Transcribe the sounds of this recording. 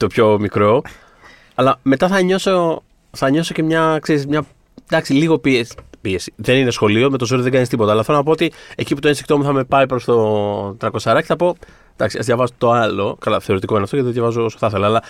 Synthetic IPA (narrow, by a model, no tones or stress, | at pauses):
t̪o̞pço̞mikɾo̞ | ɐlɐme̞t̪ɐθɐɲo̞so̞ | θɐɲo̞so̞cemɲɐkse̞ɾizmɲɐ | d̪ɐksiliɣo̞piespiesi̥ðe̞nine̞sxo̞lio̞me̞t̪o̞zoɾiðe̞ɡɐnist̪ipot̪ɐːlɐfθelonɐpo̞ot̪ie̞ciput̪oensikt̪o̞muθɐme̞pɐipɾost̪o̞t̪ɾɐko̞sɐɾɐceθɐpo̞ | d̪ɐksiɐ̰zðʝɐvɐzot̪o̞ɐlo̞kɐlɐθe̞o̞ɾit̪iko̞inɐft̪oet̪ʝɐvɐzoosoθɐθelɐːlɐ